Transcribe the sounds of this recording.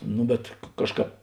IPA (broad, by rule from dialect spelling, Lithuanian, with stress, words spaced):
ˈnʊ bʲɛt ˈkɑːʃˌkɑːp